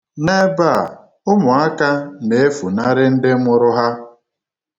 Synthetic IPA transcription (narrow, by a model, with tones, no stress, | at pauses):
ne˦ba˦˨ | ʊ˦mʊ˨a˦ka˦ne˨e˦fu˨na˦ɾɪ˦n̩˦dɪ˦mʊ˦ɾʊ˦ɦa˦